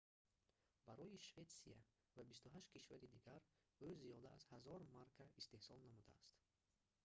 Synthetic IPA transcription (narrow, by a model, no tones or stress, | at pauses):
b̥aɾɔjiʃve̞t̪sia | vabist̪uɦaʃt̪kʰiʃvaɾid̪iɡaɾ | ozijɔd̪aazhazɔɾmaɾkʰaist̪e̞hsɔlˠnamud̪a̰ːst̪